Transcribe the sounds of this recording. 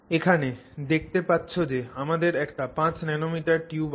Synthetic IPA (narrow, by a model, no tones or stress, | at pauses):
ekʰaned̪ek̚t̪epatːɕʰod͡ʑeamad̪eɾɛkʈapãt͡ɕnɛnomiʈaɾʈjub